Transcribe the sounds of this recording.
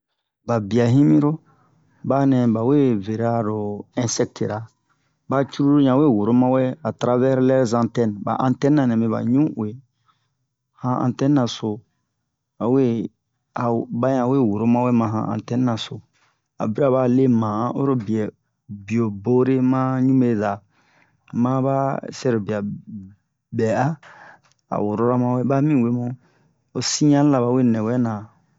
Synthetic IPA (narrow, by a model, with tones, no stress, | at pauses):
ba˨bi˨a˨ɦĩ˦mĩ˦ɾo˦ | ba˦nɛ̃˨ba˨we˦ve˨ɾa˦ɾo˨ɛ̃˦nsɛ˦k̚tʰe˨ɾa˨ | ba˦t͡ʃu˦ɾu˦ɾo˦ɲã˨we˦˨wo˨ɾo˦mã˦wɛ˦a˨tɾa˧vɛ˦ɾlɛ˦ɾzã˦tɛ˦n˨ba̰˨ʔã˦ntɛ˦nː˦ã˨nɛ̃˨be˨βa̰˨ɲũ˦˨e˨ | hã˦ã̰˨tɛ˦nː˦ã˨so˨ | a˨we˦ | a˨ba˦ã˨we˦˨wo˨ɾo˦mã˦we˦mã˨ɦã̰˨ʔã̰˨tɛ̃˦n˦ã˨so˨ | a̰˨bi˦ɾa˨ba˦˨le˦mã˨˦ʔo˦ɾo˦bi˨ɛ˨ | bi˨o˨bo˦ɾe˦mã˦ɲũ˦me˦za˨ | mã˦ba˦sɛ˦ɾo˨bi˨a˨ | bɛ˨a˦ | a̰˨wo˨ɾo˦ɾa˦mã˦we˦ba˦mĩ˦˨we˦mõ˦ | o˧sĩ˦ɲã˦la˨βa˨˦we˦nɛ̃˨wɛ˦nã˨